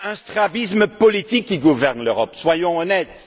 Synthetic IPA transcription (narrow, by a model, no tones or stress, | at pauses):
ɛ̃st̪χabisməpɔlit̪ikːiɡuvɛʁnløʁɔpswajɔ̃ɔnɛt̪